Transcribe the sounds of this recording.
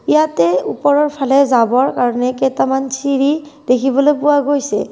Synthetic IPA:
ijatɛupɔɹɔɹpʰalɛzabɔɹkaɹɔnɛkɛtamansiɹid̥ekʰibɔlojpʊwaɡojsɛ̰

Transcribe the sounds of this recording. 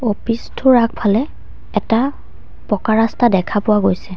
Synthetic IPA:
opistʰʊɹak̚pʰalɛ | ɛta | pɔkaɹastadɛkʰapʊwaɡojsɛ

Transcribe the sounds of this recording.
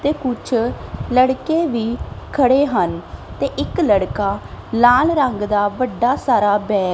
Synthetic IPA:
t̪eːkʊt͡ʃʰləɽkeːʋiːkʰəɽeːɦənt̪eːʔɪkləɽkaːlaːlɾəŋɡd̪aːʋəɖːaːsaːɾaːbɛː

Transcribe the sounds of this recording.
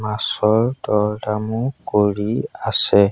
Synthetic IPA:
masɔldɔdamukoɾiasɛ

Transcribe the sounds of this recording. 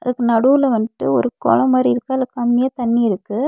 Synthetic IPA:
ɐðɯkːɯnɐɽuːlɐʋɐnʈːɯɔ̰ɾɯkɔ̰lɐ̃maːd̪ɾiɪɾɯkːaɐðɯkːɐmːɪjaːt̪ɐnːiɪɾɯkːɯ

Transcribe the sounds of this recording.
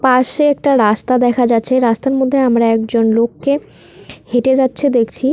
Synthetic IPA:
paʃeɛk̚ʈaɾast̪ad̪ɛkʰad͡ʑatːɕʰeɾast̪aɾmod̪ʱːeamɾaɛkd͡ʑonlokːe | heʈed͡ʑatːɕʰed̪ekʰt͡ɕʰi

